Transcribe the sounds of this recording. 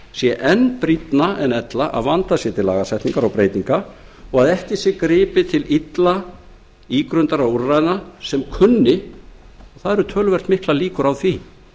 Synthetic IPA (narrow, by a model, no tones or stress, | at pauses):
sjɛʔɛnːpɾit̪naɛnɛt̪laʔa̰ðvant̪asjɛt̪ʰɪlːa̰ːɣasɛht̪niŋkaɾawpɾejt̪niŋkaɔɣaðɛhcɪsjɛkɾɪːpɪt̪ʰɪlit̪la | iːkɾʏnt̪aɾauɾrajɪnasɛmkʰʏnːɪ | ɔɣθaðɛɾʏt̪ʰœːlvɛr̥t̪mɪhklaliːkʏɾawθvi